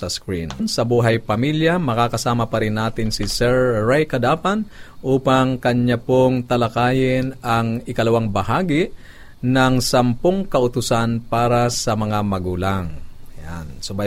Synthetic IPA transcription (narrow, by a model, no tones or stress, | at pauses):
sɐskɹinnsɐbuːɦɐjpɐmiljamɐkakɐsaːmɐpɐɾɪnːaːt̪ɪnsɪsɛɹːajkɐd̪aːpɐnʔuːpɐŋkɐɲːapoŋt̪ɐlɐkaːjɪnɐŋɪkɐlɐwaŋbɐhaːɡiʔ | nɐŋsɐmpoŋkɐʔʊt̪ʊsanpaːɾasɐmɐŋamɐɡuːlaŋja̰nsoba